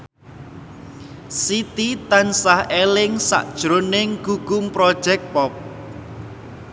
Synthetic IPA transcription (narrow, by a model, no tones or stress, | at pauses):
sit̪it̪ansahelɪŋsa̰ʔd̥ʒ̥ɾonɪŋɡuɡ̥umpɾɔd̥ʒ̥ɛk̚pɔp̚